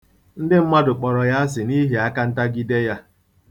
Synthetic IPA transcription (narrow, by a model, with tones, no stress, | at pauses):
n̩˦dɪ˦m̩˦ma˦dʊ˨k͡pɔ˨ɾɔ˨ja˦s̬ɪ˨ni˦ɦi˨a˦ka˦n̩˦ta˦ɡi˦de˦ja˦